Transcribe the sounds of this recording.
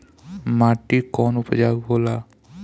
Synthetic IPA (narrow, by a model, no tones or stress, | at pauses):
maːʈikɔːnʊpd͡ʒaːɡboːla